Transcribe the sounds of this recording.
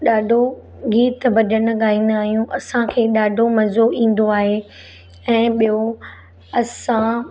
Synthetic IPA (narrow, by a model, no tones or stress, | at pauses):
ɗaːɖʱo | ɡiːt̪bɐʄənʊ̆ɠaːĩːn̆d̪aːɦijũʔɐsãkʰeːɗaːɖʱomɐzoĩːn̆d̪oaːɦe | ɛ̃ːɓijo | ɐsã